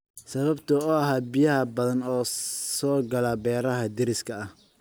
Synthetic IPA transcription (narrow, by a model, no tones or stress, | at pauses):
sɐβɐbt̪ʰʊɔːɐɦaːbijɐhɐbɐðɐnɔːsɔːɡɐlabɛːɾɐɦɐd̪ɪɾɪskʰɐɐh